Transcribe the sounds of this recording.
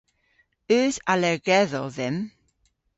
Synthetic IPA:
øːsalɛɡɛðɔðɛm

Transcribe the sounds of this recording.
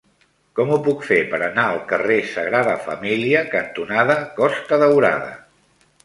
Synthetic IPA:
kɔmupukfepəɾənaəlˠkəresəɣɾaðəfəmiliəkənt̪unaðəkɔst̪əðəwɾa̰ðə̰

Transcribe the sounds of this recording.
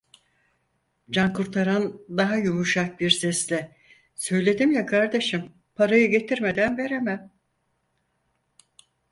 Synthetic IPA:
d͡ʒankuɾt̪ʰaɾand̪aɦajumuʃak̚biɾsɛslʲɛ | sø̞jlʲe̞d̪imjakʰaɾd̪e̞ʃɯm | pʰaɾajɯɟe̞t̪ʰiɾme̞d̪ænve̞ɾemæm

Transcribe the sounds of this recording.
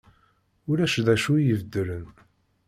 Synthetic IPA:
ʊɾæʃðæʃujəvd̪ːələn

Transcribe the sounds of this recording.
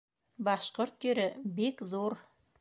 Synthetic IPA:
bɑʃqoɾt̪jɵ̆ɾɘbikðuɾ

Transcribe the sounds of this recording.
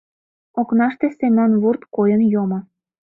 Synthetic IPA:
oknɑʃt̪esemʲonβurt̪kojənjomŏ

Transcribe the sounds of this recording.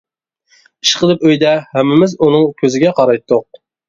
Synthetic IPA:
iʃqʰəlˠɨpøjd̪ɛhɛmːɪmɪzunɨŋkʲʰøzɪɡʲɛqʰɑɾɑjt̪ʰːʊq̚

